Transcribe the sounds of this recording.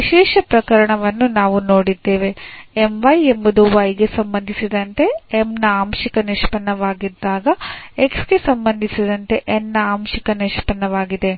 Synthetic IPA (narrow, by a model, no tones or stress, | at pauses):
ʋiʃɛːʃɐpɾɐkɐɾɐɳɐʋɐnːunaːʋuno̞ːɽid̪ːeːʋe̞emʋɐjembud̪uʋɐjɡe̞sɐmbɐnd̪ʱisid̪ɐnt̪e̞emnɐaːmʃikɐniʂpɐnːɐʋaːɡid̪ːaːɡɐeksɡe̞sɐmbɐnd̪ʱisid̪ɐnt̪e̞ʔenːɐaːmʃikɐniʂpɐnːɐʋaːɡid̪e̞